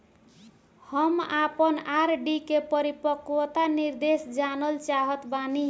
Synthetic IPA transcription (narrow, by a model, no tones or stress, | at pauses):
həmapənaɾɖikepəɾipəkwt̪aniɾd̪esd͡ʒanəlt͡ʃaɦət̪bani